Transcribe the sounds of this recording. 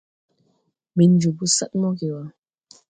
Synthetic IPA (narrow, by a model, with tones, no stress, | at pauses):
mi˨n˦d͡ʒu˨bu˦sa̰˦t̚mɔ˦ke˨wa˨